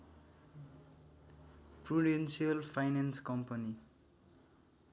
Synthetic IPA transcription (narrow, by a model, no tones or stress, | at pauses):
pruɖensiʌlpʰajnenskʌmpʌni